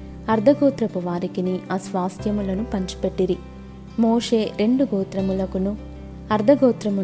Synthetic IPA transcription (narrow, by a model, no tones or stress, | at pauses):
ɐɾd̪ʱɐɡɔːt̪ɾɐpuʋaːɾikiniʔɐsʋaːst̪jɐmulɐnupɐɲt͡ʃu̥pe̞ʈːiɾi | moːʂe̞ːɾe̞ɳɖuɡɔːt̪ɾɐmulɐkunu | ɐɾd̪ʱɐɡɔːt̪ɾɐmu